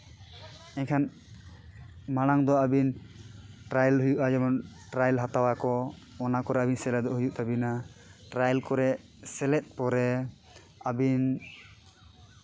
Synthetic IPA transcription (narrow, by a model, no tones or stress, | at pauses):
ɛɲkʰan | maɽ̃aŋd̪ɔabin | ʈɾajlɦujuʔad͡ʒɛmɔn | ʈɾajlɦat̪awakɔː | nakɔɾɛabinsɛlɛd̪ɔɦujuʔt̪abinaʈɾajɛlkɔɾɛ | sɛlɛt̪̚ˀpɔɾɛ | abin